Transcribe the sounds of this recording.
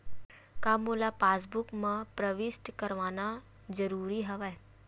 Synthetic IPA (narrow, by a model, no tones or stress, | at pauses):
kamolapaːsbukmãpɾəʋɪsʈkəɾʋaːna | d͡ʒəɾuːɾiɦəʋaj